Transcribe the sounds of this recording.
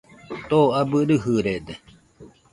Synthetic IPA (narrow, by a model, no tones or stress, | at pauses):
t̪oabɨɾɨɦɨɾed̪e